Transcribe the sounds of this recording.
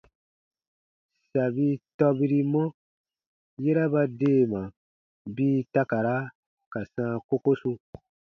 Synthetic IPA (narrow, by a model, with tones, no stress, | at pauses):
sa˨bi˦tɔ˦bi˧ɾi˦mɔ̃˦ | je˦ɾa˦ba˧deː˦˨mã˨ | biː˦ta˦ka˨ɾa˦ | ka˨sãː˦ko˦ko˦su˧